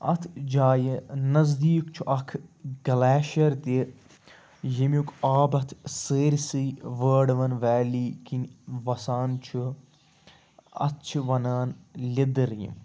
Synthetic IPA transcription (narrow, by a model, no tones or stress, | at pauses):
ɐ̰t̪ʰd͡ʒaːjinɐzd̪iːkt͡ʃʰuʔɐkʰɡɐlaːʃɐɾt̪e | jimukaːbɐt̪ʰseːɾʲsɨjʋəːɖʋɐnʋɛːliːkinʋɐsaːnt͡ʃʰu | ɐ̰tt͡ʃʰiʋɐnaːnlʲid̪ɨɾjḭm